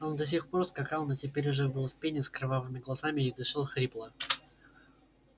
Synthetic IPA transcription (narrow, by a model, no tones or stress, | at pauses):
o̞nd̪ɐs̬ʲixpo̞rskɐkɑlˠnotʲɪpʲeɾʲʊʐəbɨlˠfʲpʲenʲɪskɾavavɨmʲɪɡlˠɐsamʲɪɪd̪ɨʂalˠxɾʲiplˠə